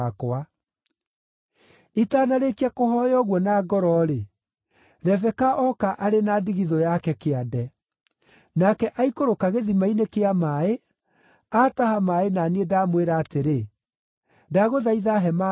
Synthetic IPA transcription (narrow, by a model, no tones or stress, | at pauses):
koa | itaːnaɾekiakohɔjɔɣwɔnaɡɔɾɔɾe | ɾɛvɛkaʔɔkaʔaɾenadiɣiðɔjakɛkeadɛ | nakɛʔaikoɾokaɣeðimainekeamae | atahamaenanedaːmweɾaːteɾe | daɣoðaiðaɦɛma